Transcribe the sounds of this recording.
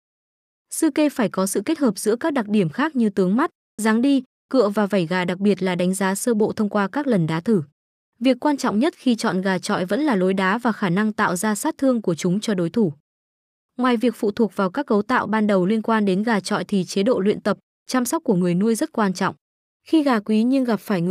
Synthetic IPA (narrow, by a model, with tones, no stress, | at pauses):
sɨ˧ke˧faː˧˩jkɔ˨˦sɨ̰˧˨ke˦˥t̚həː˨˩p̚z̥ɨ̰˧˥kaː˦˥k̚ɗa˨˩k̚ɗi˧˩əmxaː˦˥k̚ɲɨ˧t̪ɨ˨˦əŋma˦˥t̚ | zaː˨˦ŋɗi˧ | kɨ̰˧˨əvaː˨˩va˧˩jɣaː˨˩ɗa˨˩k̚ɓi˨˩ət̚laː˨˩ɗa˨˦jŋ̟zaː˨˦səː˧ɓo̰˧˨t̪ʰə˧wŋ͡mkwaː˧kaː˦˥k̚lə˨˩nɗaː˨˦t̪ɨ˧˩ | vi˨˩əkːwaː˧nt͡ɕɔ̰˧˨wŋ͡mɲə˦˥t̚xi˧t͡ɕɔ̰˧˨nɣaː˨˩t͡ɕɔ̰˧˨jvə̰˧˥nlaː˨˩lo˨˦jɗaː˨˦vaː˨˩xaː˧˩na˧ŋt̪a̰ː˧˨wzaː˧saː˦˥t̚t̪ʰɨ˧əŋku˧˩ət͡ɕʊ˨˦ŋ͡mt͡ɕɔ˧ɗo˨˦jt̪ʰu˧˩ | ŋwaː˨˩jvi˨˩ək̚fṵ˧˨t̪ʰu˨˩ək̚vaː˨˩wkaː˦˥k̚ːə˨˦wt̪a̰ː˧˨wɓaː˧nɗə˨˩wli˧ənkwaː˧nɗe˨˦nɣaː˨˩t͡ɕɔ̰˧˨jt̪ʰi˨˩t͡ɕe˨˦ɗo̰˧˨lwḭ˧ənt̪ə˨˩p̚ | t͡ɕa˧msa˦˥k͡p̚k̚kːu˧˩əŋɨ˨˩əjnu˧əjzə˦˥t̚kwaː˧nt͡ɕɔ̰˧˨wŋ͡m | xi˧ɣaː˨˩kwi˨˦ɲɨ˧ŋɣa˨˩p̚faː˧˩jŋɨ˨